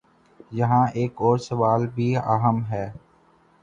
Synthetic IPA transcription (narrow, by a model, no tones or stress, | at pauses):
jɐɦãʔeːkɔːɾsɐʋaːlbʱia̰ːɦəmɦɛː